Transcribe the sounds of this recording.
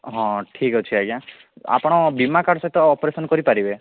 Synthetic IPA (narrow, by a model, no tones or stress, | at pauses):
ɦɔ̃ʈʰikɔt͡ʃʰiajã | a̰pɔɽ̃ɔbimakaɾɖɔsɔɦit̪ɔːpɾesɔnɔkɔɾipaɾibe